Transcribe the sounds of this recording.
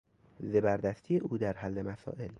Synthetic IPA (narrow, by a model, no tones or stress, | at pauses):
zebæɾd̪æst̪ʰiːeʔuːd̪æɾɦælːemæsɒ̰ːʔel